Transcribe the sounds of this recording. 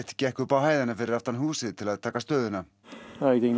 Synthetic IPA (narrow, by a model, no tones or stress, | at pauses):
ht̪cɛhkʏpawhaːjðɪnafɪɾɪɾaft̪anɦuːsɪðt̪ʰɪlaðt̪ʰaːkast̪œːðɪna | ajd̪ɪŋ